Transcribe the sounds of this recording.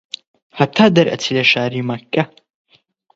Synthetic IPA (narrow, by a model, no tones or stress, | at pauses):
hɐt̪ʰːaːd̪ɐɾʔɐ̰t͡s̪ʰilɐʃaːɾiːmɐkːɐ